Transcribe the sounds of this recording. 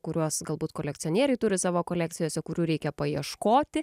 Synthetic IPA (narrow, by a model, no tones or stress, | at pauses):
kʊɾʲuɔsɡɐlˠbuːt̪koːlʲɛk̚t̪ʲɪonʲiɛɾʲɐɪt̪ʊɾʲɪsɑːʋoːkoːlʲæːkt̪sʲɪjoːsʲɛkʊɾʲuːɾʲɛɪkʲɛpɐjiɛʃkoːt̪ʲɪ